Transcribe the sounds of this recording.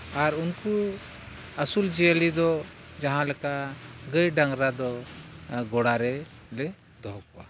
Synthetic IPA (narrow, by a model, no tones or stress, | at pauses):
aɾunku | əsuld͡ʒɛalid̪ɔd͡ʒaɦãlɛkaɡəjɖaŋɾad̪ɔ | ɡɔɽaɾɛlɛ | d̪ɔɦkɔwa̰